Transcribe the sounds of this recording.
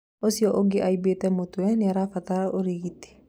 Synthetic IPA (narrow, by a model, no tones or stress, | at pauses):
osiɔʔoɡeʔaibetɛmotuwɛnɪaɾafat̪aɾʔoɾiɣiti̥